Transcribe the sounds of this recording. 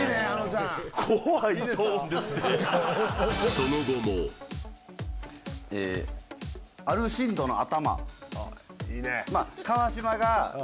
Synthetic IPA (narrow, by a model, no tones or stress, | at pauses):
ne | kʰoait̪oːnd̪est̪e | sonoɡ̪omo | ḛː | aɾɯ̟ɕĩnd̪o̞noat̪ama̰ | iːnemakaβaɕimaɡa